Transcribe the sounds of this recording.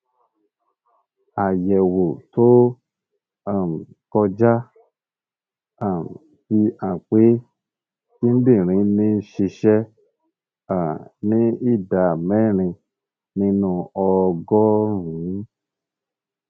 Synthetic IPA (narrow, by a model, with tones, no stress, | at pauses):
a˨jɛ˨wo˨to˦ | a˦˨m˨ | kɔ˧d͡ʒa˦ | a˦˨m | ti˧a˨k͡pe˨˦ | ki˦n̩˦di˦˨ɾ̃ĩ˨˧˦nĩ˦ʃi˧ʃɛ˦ | a˨nĩ˦i˦˨da˨mɛ˦˨ɾ̃ĩ˧ | nĩ˦nũ˧ɔ˧ɡɔ˦ɾũ˨˦